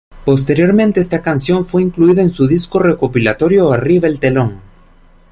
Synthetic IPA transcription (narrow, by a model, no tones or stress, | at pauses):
po̞s̬t̪e̞ɾjo̞ɾmẽnt̪e̞est̪akansjo̞ɱfwe̞iŋkluiðaensuðiskore̞kopilat̪o̞ɾjo̞ariβaelt̪e̞lo̞ŋ